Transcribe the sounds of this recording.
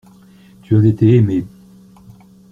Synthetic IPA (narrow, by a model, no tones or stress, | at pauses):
t̪yazet̪eːme